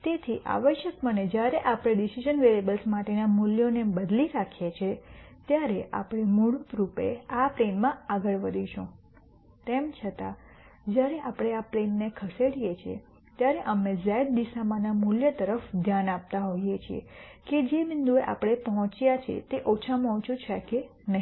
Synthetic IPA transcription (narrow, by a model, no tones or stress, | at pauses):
t̪et̪ʰiʔa̰ʋəʃjəkməned͡ʒjaɾeʔapɽ̃eɖisid͡ʒənʋelebəlsmaʈenamuljonebəd̪liɾakʰjet͡ʃʰet̪jaɾea̰pɽ̃emuɽut̪ɾupḛapɾenmãaɡəɭʋəd̪ʱiʃũ | t̪emt͡ʃʰət̪a | d͡ʒjaɾeʔapɽ̃eaplenːekʰəseɽijet͡ʃʰiḛ | t̪jaɾeʔəmezɛɖ̚d̪isamãnamuljət̪əɾəfd̪ʱjanap̚t̪aɦojet͡ʃʰiḛked͡ʒemɪnd̪ueʔa̰pɽ̃epəɦɔ̃t͡ʃjat͡ʃʰḛt̪eʔot͡ʃʰamɔɦɔ̃t͡ʃũt͡ʃʰeke | nəɦi